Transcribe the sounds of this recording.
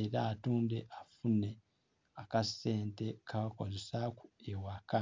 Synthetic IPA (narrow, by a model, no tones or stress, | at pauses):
eɾaːtuːnde̞ʔafune̞ | akase̞ːnte̞kʰaako̞zesakuewaka